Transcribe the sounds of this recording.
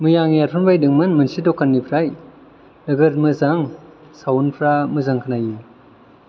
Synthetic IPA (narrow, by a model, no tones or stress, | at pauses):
mɯjaŋiaɾpʰɯnbajdɯŋmɯnmɯnsidɔkʰːanːipʰɾaj | nɯɡɯɾmɯzaŋ | sawunpʰɾamɯzaŋkʰɯnaji